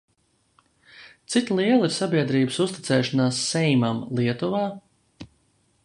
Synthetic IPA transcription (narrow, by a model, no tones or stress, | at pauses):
t̪sit̪lˠiɛlˠiɾsabʲiɛd̪ɾiːbəsust̪it̪sɛːʃanaːsːɛjmamlˠiɛt̪uvaː